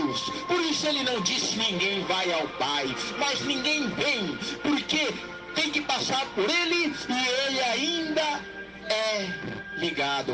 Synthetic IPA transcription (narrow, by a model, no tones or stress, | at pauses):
ʊspoɾisʊelɪnɐ̃w̃d͡ʒiskɪnĩŋɡẽj̃vajawpajmɐznĩŋɡẽj̃vẽj̃poɾke | t̪ẽj̃kɪpasaɾpoɾelɪɪelɪaĩnd̪ɐ | ɛ | liɡad̪ʊ